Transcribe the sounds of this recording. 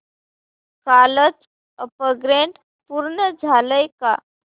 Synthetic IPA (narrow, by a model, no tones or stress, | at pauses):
kalət͡s | əpəɡɾeɳʈ | puɾnəd͡zʱaləjka